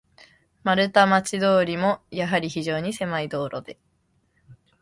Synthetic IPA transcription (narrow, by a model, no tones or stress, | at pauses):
maɾɯ̟t̪amat͡ɕid̪o̞ːɾʲimo̞jaɦaɾʲiçiʑo̞ːɲ̟ise̞maid̪o̞ːɾʔo̞̰d̪e̞